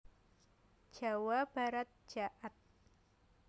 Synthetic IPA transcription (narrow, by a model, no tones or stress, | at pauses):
d͡ʒ̥a̤wab̥aɾat̪̚d͡ʒ̥aʔat̪̚